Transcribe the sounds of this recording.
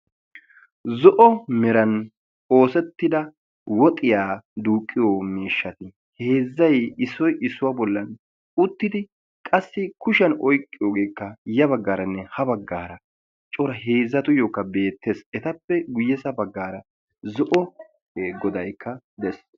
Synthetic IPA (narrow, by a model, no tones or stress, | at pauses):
zɔʔɔmɛɾɐn | oːsɛt̪ːɪd̪ɐ | wɔt̪ʼːɪjaːd̪uːkʼːɪjoːmeːʃːɐt̪ɪ | heːzːɐjɪsːɔjʔɪsːʊwɐbɔlːɐn | ʊt̪ːɪd̪ɪ | kʼɐsːɪkʊʃɐnɔjkʼːɪjoːɡeːkːɐjɐbɐɡːaːɾɐnːɛhɐbɐɡːaːɾɐ | t͡ʃʼɔɾɐheːzːɐt̪ʊjoːkːɐbe̞ːt̪ːeːsɛt̪ɐpːɛɡʊjːɛsɐbɐɡːaːɾɐ | zɔʔɔ | ɡɔd̪ɐjkːɐ | d̪ɛs